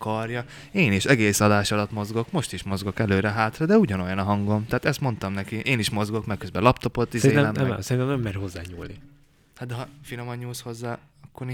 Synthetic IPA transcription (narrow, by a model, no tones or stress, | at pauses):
kɒrjɒ | eːniʃɛɡeːsɒd̪aːʃɒlɒt̪mo̞zɡo̞kmo̞ʃt̪iʃmo̞zɡo̞kɛløːɾɛɦaːt̪rɒd̪ɛuɟɒnojɒnɒɦɒŋɡo̞mt̪ɛaːt̪ɛst̪mo̞nt̪ɒmnɛkiʔeːniʃmo̞zɡo̞kmɛkøzbɛlɒp̚t̪o̞po̞t̪ːizɛieːɛnɛmɛsɛɾint̪ɛmnɛmːɛɾho̞zːaːɲuːlnḭ | had̪d̪ɛɦɒfilomɒɲːuːsho̞zːaː | ɒkːor